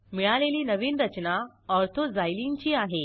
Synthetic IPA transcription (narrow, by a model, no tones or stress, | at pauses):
miɭaleliːnəʋiːnɾət͡ɕna | ɔɾt̪ʰod͡zajlint͡ɕiːaɦe